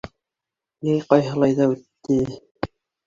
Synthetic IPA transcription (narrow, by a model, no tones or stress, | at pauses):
nijqɑjɦɤ̆lˠɑjðɑʉt̪ːɘ